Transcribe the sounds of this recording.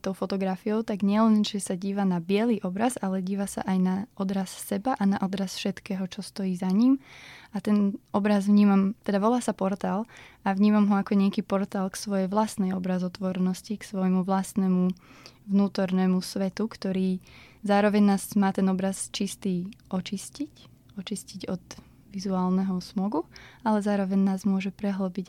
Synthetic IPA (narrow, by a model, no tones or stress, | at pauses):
t̪ɔʊfɔt̪ɔɡɾafijɔʊt̪aɡɲɪɛlɛnʒɛsaɟiːʋanabɪɛliːʔɔbɾazalɛɟiːʋasa̰ʔajnaʔɔd̪ɾasːɛbaʔanaʔɔd̪ɾasfʃɛt̪kɛːɦɔt͡ʃɔst̪ɔjiːzaɲimʔat̪ɛnɔbɾazʋɲiːmamt̪ɛd̪aʋɔlaːsapɔɾt̪aːlˠʔaʋɲiːmamɦɔakɔɲɪakiːpɔɾt̪aːlksʋɔjɛjʋlast̪nɛjɔbɾazɔt̪ʋɔɾɛnɔsciksʋɔjmuʋlast̪nɛmuʋnuːt̪ɔɾnɛːmusʋɛt̪ukt̪ɔɾiː | zaːɾɔʋɛɲnaːzmaːt̪ɛnɔbɾast͡ʃist̪iːʔɔt͡ʃiscic | ɔt͡ʃisciɟɔd̪ | ʋizuaːlnɛɦɔsmɔɡualɛzaːɾɔʋɛɲnaːzmʊɔʒɛpɾɛɦləbiɟ